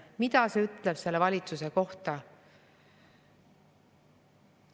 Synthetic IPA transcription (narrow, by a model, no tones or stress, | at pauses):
mit̪ɑseyt̪ˑle̞b̥se̞lːevɑlʲit̪suse̞ko̞ht̪ɑ